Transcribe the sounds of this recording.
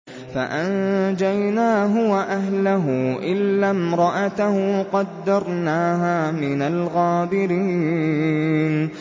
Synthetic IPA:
fa̰ʔand͡ʒajnaːɦʊwaʔaɦlaɦʊʔɪlːamɾˤɑʔat̪ahqɑd̪ːɑɾˤnaːɦaːmɪnalɣɑːd̪ɪɾiː | n

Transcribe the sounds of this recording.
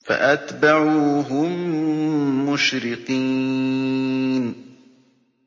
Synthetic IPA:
fa̰ʔat̪baʕuːɦʊmː | ʊʃɾɪqiː | n

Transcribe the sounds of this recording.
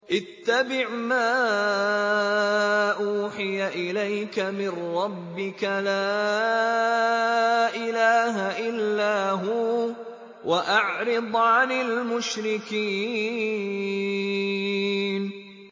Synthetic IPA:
ʔɪt̪ːabɪʕmaː | ʔuːħɪjaʔɪlajkamɪnɾˤɑbːɪkalaː | ʔɪlaːɦaʔɪlːaːɦuː | wʔaʔaʕɾɪd̪ˤʕanɪlmʊʃɾɪkiː | n

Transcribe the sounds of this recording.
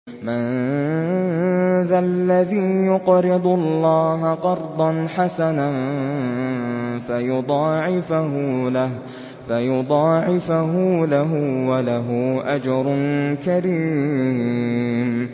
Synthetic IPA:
man | ðalːaðiːjʊqɾɪd̪ˤʊlːɑːɦaqɑɾˤd̪ˤɑnħasanan | fajʊd̪ˤɑːʕɪfahʊlah | fajʊd̪ˤɑːʕɪfaɦʊlaɦʊwalaɦʊʔad͡ʒɑɾˤʊnkaɾiː | m

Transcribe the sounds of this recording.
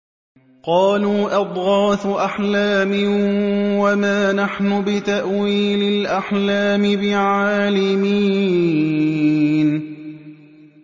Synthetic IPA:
qɑːluːʔɑd̪ˤɣɑːt̪ʔaħlaːmɪ | wamaːnaħnʊbɪt̪aʔwiːlɪlʔaħlaːmɪbɪʕaːlɪmiː | n

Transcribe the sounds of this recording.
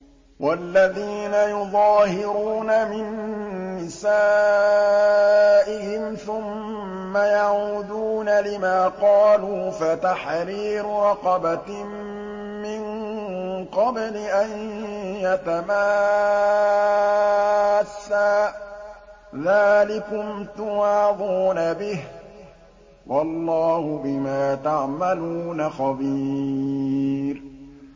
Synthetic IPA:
wʔalːaðiːnajʊðˤɑːhɪɾuːnamɪnːɪsaː | ʔɪhɪmθʊmː | ajaʕuːd̪uːnalɪmaːqɑːluːfat̪aħɾiːɾʊɾˤɑqɑba | mɪn | qɑblɪʔanjat̪amaː | sːaː | ðaːlɪkʊmt̪ʊwaːðˤuːnabɪh | wʔɑlːɑːhʊbɪmaːt̪aʕmaluːnaxɑbiː | ɾ

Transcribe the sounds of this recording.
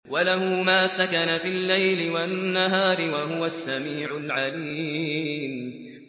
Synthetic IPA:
walaɦumaːsakanafilːajlɪwanːaɦaːɾɪwaɦʊwasːamiːʕʊlʕaliː | m

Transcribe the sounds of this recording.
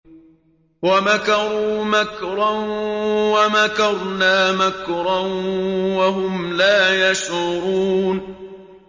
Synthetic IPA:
wamakɑɾˤuːmakɾˤɑnwamakɑɾˤnaːmakɾˤɑnwaɦʊmlaːjaʃʊɾuːn

